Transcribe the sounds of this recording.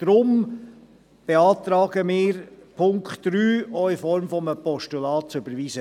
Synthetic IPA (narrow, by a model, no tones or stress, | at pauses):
d̥ɾʊm | b̥eɑːt̪ɾɑːɡ̥əmɪːɾpʰʊŋkχtɾyːɔɪfɔɾmfɔməpɔʃtulɑːtt͡sʏbəɾʋiːzə